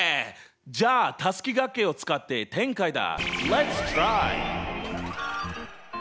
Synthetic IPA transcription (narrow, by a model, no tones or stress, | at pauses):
d͡ʑaːt̪asɨ̥kʲiɡakːe̞o̞t͡sɨ̥kat̪ːe̞t̪ẽ̞ŋkaid̪a̰lɛt̪st̪ɾaj